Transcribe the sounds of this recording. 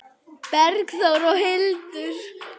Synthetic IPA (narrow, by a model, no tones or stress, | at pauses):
pɛɾkθowɾɔhɪlt̪ʏɾ̥